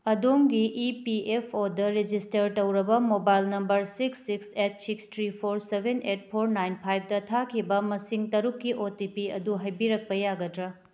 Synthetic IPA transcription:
ɐdomɡiʔipiepʰodɐɾed͡ʒistɐɾtɐwɾɐbɐmobajlnɐmbɐɾsiksːikset̚sikstʰɾipʰoɾsebʱenet̚pʰoɾnajnpʰajp̚ʰdɐtʰakʰibɐmɐsiŋtɐɾukːiʔotipiɐ̰duɦɐjbiɾɐk̚pɐjaɡɐdɾɐ

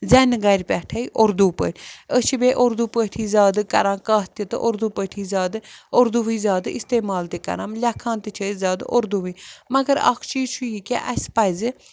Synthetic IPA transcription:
zɛnɡɐɾʲpʲɛʈʰɐiʔoɾd̪uːpə̰ɾʲət͡ʃʰibeʔoɾd̪upəʈʰiːzaːd̪kɐɾãːkaːt̪it̪ɨʔoɾd̪upəʈʰiːzʲaːd̪ɨoɾd̪uʋizʲaːd̪ist̪eːmaːlt̪ikɐ̰ɾamlʲɐkʰːãːnt̪ɨt͡ʃʰəzʲaːd̪ʔoɾd̪uʋimɐɡəɾa̰kʰt͡ʃiːzt͡ʃʰujikʲaʔɐsʲpɐjzɨ

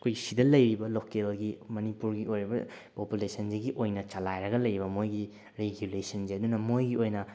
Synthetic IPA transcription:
ɐkʰojɡisidɐlɐjɾibɐlokelɡimɐnipuɾɡiojɾibɐ̰populesʰɐnd͡ʒeɡiʔojnɐt͡ʃɐlajɾɐɡɐlɐjɾibɐmojɡi | ɾeɡjulesɐnzeɐdunɐmojɡiojnɐ

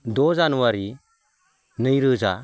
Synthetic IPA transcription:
dɔzanuwaɾi | nɯjɾɯza̰

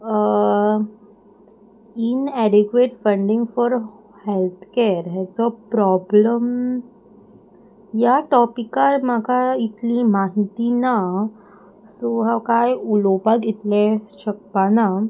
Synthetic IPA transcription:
ə | inæɖekʋeʈfəɳɖiŋɡfɔɾ | helt̪ʰkeɾɦɛt͡sɔpɾɔbləm | jaʈɔpikaɾmakait̪limaɦit̪ina | soɦãkajulopaɡʱet̪leɕəkpana

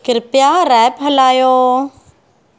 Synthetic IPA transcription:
kɪɾpjaːɾɛːpɦəlaːjoː

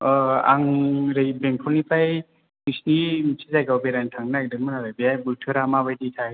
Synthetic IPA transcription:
a̰ŋɾɯjbeŋpʰɔnipʰaj | misnimisʰizajɡawbeɾajntʰaŋnajdɯŋmanaɾajbijajbultʰɯɾamabajditʰaj

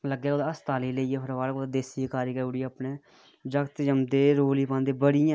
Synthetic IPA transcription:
ləɡjaːoːd̪aəst̪aːliːləiːeːpʰəɾʋaːlkoːd̪ːd̪eːsiekaːɾjiːkəuːɽiːəːpneː | d͡ʒəkt̪d͡ʒəmd̪eːɾoːliːpãːnd̪eːbəɽɪjãː

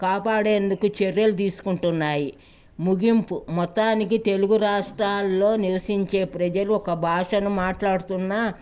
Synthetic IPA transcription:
kaːpaːɽe̞ːnd̪ukut͡ʃeɾjɐlut̪̬iːsu̥kuɳʈunːaːji | muɡimpumɔt̪ːaːnikit̪e̞luɡuɾaːʂʈɾaːlːo̞ːniʋɐsiɲt͡ʃe̞ːpɾɐd͡ʒɐluɔkɐbʱaːʂɐnumaːʈlaːɽut̪unːa

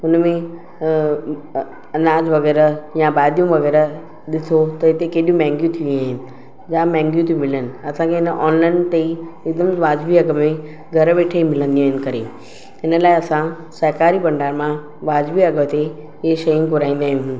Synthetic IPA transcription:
ɦʊnmẽ | ɐnaːd͡ʑʋɐɣɛːɾəjãbaːd̪jũʋɐɣɛːɾə | ɗɪt̪ʰot̪ɐɪt̪ekeːɗjũmɛ̃ːŋɡjũt̪ʰiʋũaːɦɪnɪ̆ | d͡ʑaːmɛ̃ːŋɡjũt̪ʰẽmɪlənɪ̆ɐsãkʰeɦɪnʔɔːnlaːɪnt̪eiɪkd̪əmʋaːd͡ʑʋiɐɡəmẽ | ɡʱɐɾʋeːʈʰeimɪlə̃nd̪ĩaːɦɪnɪ̆kɐɾḛ | ɪnə̆laːeɐsã | sɐɦkaːɾibɐ̃ɳɖaːɾmã | ʋaːd͡ʑʋiɐɡət̪e | ɪeʃɐjũkʊɾaːĩːn̆d̪aːɦɪ̃nɪɦʊ

